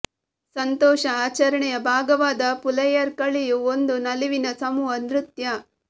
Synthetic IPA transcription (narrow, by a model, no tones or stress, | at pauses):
sɐnt̪ɔːʃɐaːt͡ʃɐɾɐɳɛjɐbʱaːɡɐʋaːd̪ɐpulɐjɐɾkɐɭijuond̪unɐliʋinɐsɐmuːɐnd̪ɾut̪jɐ